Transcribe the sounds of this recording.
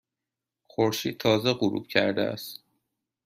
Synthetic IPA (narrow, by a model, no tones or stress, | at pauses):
xoɾʃiːd̪̚t̪ʰɒːzeɢuɾṵːb̥̚cʰæ̰ɾd̪ḛæ̰st̪